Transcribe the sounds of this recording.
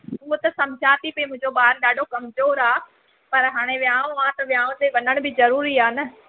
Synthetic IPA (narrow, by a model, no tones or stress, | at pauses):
uɦt̪ɐsɐ̃md͡ʒʱaːt̪ipemʊ̃ɦɪ̃ɲd͡ʑoɓaːɾɗaːɖʱokɐmzoːɾaː | pɐɾɦaːɽ̃eʋjãːʋ̃ʋãt̪ɐʋjaːʋ̃t̪eʋɐnəɽ̃bɪzɐɾuːɾiaːnɐ